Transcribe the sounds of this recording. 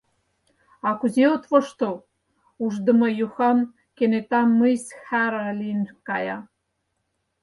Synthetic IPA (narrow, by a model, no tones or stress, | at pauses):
ɑkuzeot̪voʃt̪o | uʒd̪ə̆mɤjuxɑm | kenet̪ɑmːəjshæɾælinkɑjɑ̰